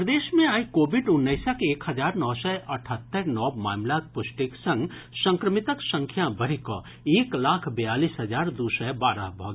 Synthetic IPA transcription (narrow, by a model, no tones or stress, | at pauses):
pɾəd̪eːsmẽaːikoːbiɖʊnːəɪsakeːkhəd͡ʒaːɾnɔːsəəʈʰət̪ːəɾnɔːbma̰ːmlak̪̚pʊsʈiksə̃ŋɡsə̃ŋkɾəmit̪əksə̃ŋkʰjabʱəɾ̤ikɔ̰ | eːklaːkʰbəjalisɦəd͡ʒaːɾd̪usəbaːɾə̰ɦbʱɔɡ